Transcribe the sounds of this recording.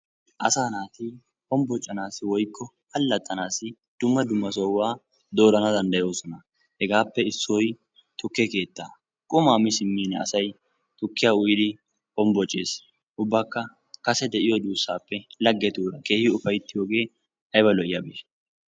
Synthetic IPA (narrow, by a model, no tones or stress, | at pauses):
ʔɐsaːnaːt̪ɪ | hɔmbɔt͡ʃʼːɐnaːsɪwɔjkːɔ | hɐlːɐt̪ʼːɐnaːsɪ | d̪̥ʊmːɐd̪ʊmːɐsɔwaː | d̪o̞ːɾɐnɐd̪ɐnd̪ɐjo̞ːsɔnɐ | hɛɡaːpːɛɪsːɔj | t̪ʰʼʊkːɛke̞ːt̪ːaː | kʼʊmaːmɪsɪmːiːnɛɐ̰sɐj | t̪ʊkːɪjaːʊjɪd̪ɪ | ɔmbɔt͡ʃʼːeːs | ʔʊbːaːkːɐ | kɐsɛd̪ɛʔɪjɔd̪uːsːaːpːɛlɐɡːɛt̪uːɾɐkeːhɪʊfɐjt̪ːɪjo̞ːɡe̞ː | ʔɐjbɐlɔʔɪjɐbeː